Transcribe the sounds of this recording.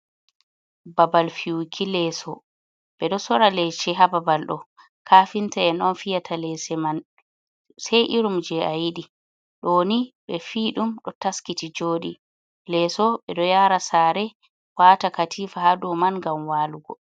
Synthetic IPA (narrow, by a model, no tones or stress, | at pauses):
babalfiwukʰilɛsɔ | ɓɛɗɔsɔɾalɛt͡ʃɛɦababalɗɔ̰ | kʰaːfintaɛnɔnfijatʰalɛsɛman | sajʔiɾumd͡ʒɛajiɗi | ɗoniɓɛfiːɗumɗɔtaskitid͡ʒoːɗi | lɛsɔɓɛɗɔjaɾasaɾɛ | waːtakatʰiːfahadɔmanŋɡamwaːluɡɔ